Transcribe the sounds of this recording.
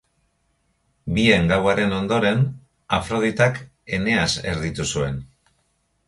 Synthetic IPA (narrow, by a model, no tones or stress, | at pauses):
bie̞ŋɡawaɾe̞no̞nd̪o̞ɾe̞n | afɾo̞ð̞it̪ak | e̞ne̞ase̞̰ɾðit̪usue̞n